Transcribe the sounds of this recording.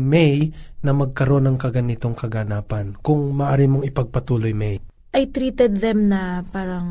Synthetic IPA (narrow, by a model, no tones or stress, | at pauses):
mɛjnɐmɐɡ̚kɐɾo̞nːɐŋkɐɡɐnit̪o̞ŋkɐɡɐnaːpɐnkʊŋmɐʔaːɾimoŋɪpɐɡ̚pɐt̪uːlojmɛj | ʔɐjt̪ɾiːt̪ɛd̪̚ðɛmnɐpaːɾɐŋ